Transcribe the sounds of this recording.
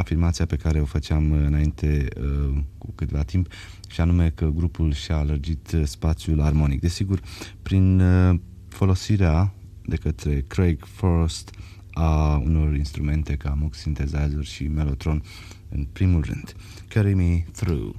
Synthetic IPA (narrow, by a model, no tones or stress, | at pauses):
afirmat̪sijape̞kaɾe̞o̞fət͡ʃeamɨnaint̪ʰe̞ | kukɨt̪vat̪imp | ʃianume̞kəɡɾupulʃiaːlərd͡ʒit̪spat̪sjularmo̞nik̚d̪e̞siɡurpɾin | fo̞lo̞siɾea | d̪e̞kət̪ɾe̞kɾejɡfoɾst̪ | aṵno̞rinst̪ɾume̞nt̪e̞kamuksint̪e̞zazurʲʃime̞lo̞t̪ɾo̞n | ɨ̰npɾimulrɨ̰nd̪̥ | kəɾimiθɾṵ